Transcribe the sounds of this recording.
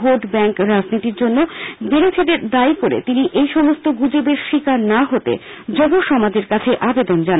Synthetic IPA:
ɦoɖbɛŋkɾad͡ʑnit̪iɾd͡ʑonːobeɾet͡ɕʰeʈeɾd̪ajkoɾḛt̪iniʔejʃɔmost̪oɡud͡ʑobeɾʃikaɾnaɦot̪ḛd͡ʑɔɡoʃɔmad͡ʑeɾkat͡ɕʰeʔabed̪ond͡ʑan

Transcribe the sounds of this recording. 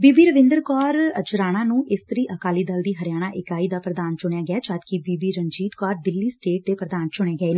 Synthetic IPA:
biːbiːɾəʋɪ̃ːnd̪əɾkɔːɾəd͡ʒɾaːnãːnũːʔɪst̪əɾiːʔəkaːliːd̪əld̪iːɦəɾɪjaːɽ̃aːʔɪkaːiːd̪aːpɾəd̪aːnt͡ʃʊɳjaːɡɪaːt͡ʃaːd̪kibiːbiːɾənd͡ʒiːt̪kɔːɾd̪ɪlːiːsʈeːʈ̚d̪eːpɾəd̪aːnt͡ʃʊɳjeaːɡəeːnẽː

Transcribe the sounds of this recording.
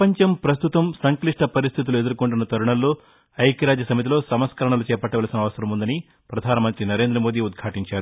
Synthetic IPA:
pɐɲt͡ʃɐmpɾɐst̪ut̪ɐmsɐŋkliʂʈɐpɐɾist̪ʰit̪ulue̞d̪ɐɾukoɳʈunːɐt̪ɐɾuɳɐlːoː | ɐjkiɾaːd͡ʒɐsɐmit̪ilo̞ːsɐmɐskɐɾɐɳɐlut͡ʃɛːpɐʈːɐʋaːlsinɐʋɐsɐɾɐmund̪ɐni | pɾɐd̪ʱaːnɐmɐnt̪ɾinɐɾe̞ːnd̪ɾɐmoːd̪iːud̪̚ɡʱaːʈiɲt͡ʃaːɾu

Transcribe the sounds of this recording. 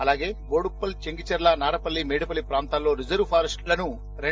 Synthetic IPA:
ɐlaːɡe̞ːɡoːɽupːɐlt͡ʃeŋɡit͡ʃɐɾlɐnaːɾɐpɐlːimeːɽipɐlːipɾaːnt̪aːllo̞ːɾid͡ʒɐɾʋpʰaːɾɐsʈlɐnu | ɾe

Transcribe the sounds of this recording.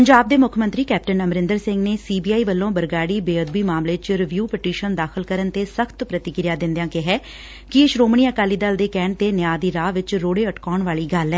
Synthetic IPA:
pəɲd͡ʒaːb̚d̪eːmʊkʰmə̃nt̪ɾiːkɛːp̚ʈənəmɾɪ̃nd̪əɾsɪ̃ŋɡneːsiːbiːaːiːʋəlːõːbəɾɡaːɽiːbeːəd̪̚biːmaːmleːt͡ʃɾɪʋjuːpɪʈiːʃənd̪aːxʰɪlkəɾənt̪eːsəkʰt̪pɾət̪ɪkɪɾɪjaːd̪ɪ̃nd̪ejãːkɪɦɛː | kɪɪʃɾoːmɳiːəkaːliːd̪əld̪eːkɛːɳ̚t̪eːnjaːd̪iːɾaːʋɪt͡ʃɾoːɽeːəʈkaːɳʋaːɭiːɡəlɛː

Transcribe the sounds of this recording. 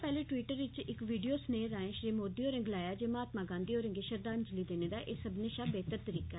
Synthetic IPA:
pɛːleːʈʋiːʈəɾʋɪt͡ʃɪkʋiːɖijoːsneːɾãːẽʃɾiːmoːd̪iːoːɾə̃ŋɡlaːjaːd͡ʒeːmaːt̪mãːɡãːnd̪iːoːɾə̃ŋɡeːʃəɾd̪aːnd͡ʒəliːd̪eːneːd̪aːʔeːsəbneːʃaːbeːt̪əɾt̪əɾiːka

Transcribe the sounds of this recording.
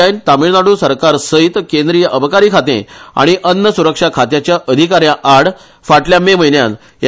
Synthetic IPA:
aint̪amiɭnaɽuːsəɾkaɾsəit̪kend̪ɾijəʔəbʱəkaɾiːkʰat̪ḛ̃a̰ɽ̃iʔənːəsuɾəkʂakʰat̪jat͡ɕjaʔəd̪ʱikaɾjãʔaɽ | faʈljamem̤əinjã̰n | j

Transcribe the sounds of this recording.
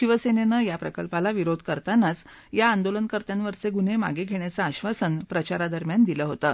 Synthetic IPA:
ɕiʋəsenenəjapɾəkəlpalaʋiɾod̪ʱkəɾt̪anːat͡s | jaːnd̪olənkəɾt̪janʋəɾt͡seɡun̤ema̰ɡeɡʱeɳ̃jat͡saːɕʋasənpɾət͡ɕaɾad̪əɾmjand̪iləɦot̪ə

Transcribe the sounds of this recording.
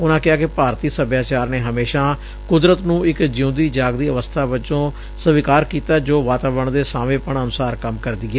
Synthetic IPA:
ʊnãːkɪaːkɪpaːɾt̪iːsəbjaːt͡ʃaːɾneːɦəmeːʃãː | kʊd̪ɾət̪nũːɪkd͡ʒɪũːd̪iːd͡ʒaːɡd̪iːəʋəst̪ʰaːʋət͡ʃõː | səʋɪkaːɾkiːt̪aːd͡ʒoːʋaːt̪aːbəɳd̪eːsaːʋẽːpəɳənʊsaːɾkəmkəɾd̪iːɛː

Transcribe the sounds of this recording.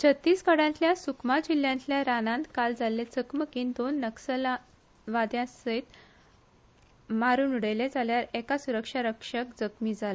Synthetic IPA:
t͡ɕʰət̪ːiːskəɽãɲtljasukmad͡ʑil̤ːjãɲtljaɾanãnt̪kald͡zalːet͡səkməkiːnd̪onːəksəla | ʋad̪jãsəjt̪ | maɾuːnuɽəjled͡zaljaɾɛkasuɾəkʂaɾəkʂəkd͡zəkmiːd͡zala

